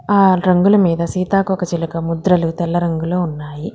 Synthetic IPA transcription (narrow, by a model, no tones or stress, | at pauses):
aːɾɐŋɡulɐmiːd̪ɐsiːt̪aːkɔkɐt͡ʃilukɐmud̪ɾɐlut̪ɛlːɐɾɐŋɡuloːunːaːji